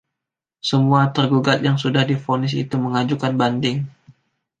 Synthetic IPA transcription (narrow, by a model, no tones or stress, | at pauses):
səmuat̪ərɡuɡat̪̚jaŋsudahdifonɪs̬ḭt̪uməŋad͡ʒukanbandɪŋ